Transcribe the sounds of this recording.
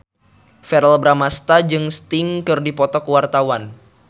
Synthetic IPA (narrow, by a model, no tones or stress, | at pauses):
fɛɾɛlbɾamast̪ad͡ʒɨŋst̪ɪŋkɨrdipɔt̪ɔkəwart̪awan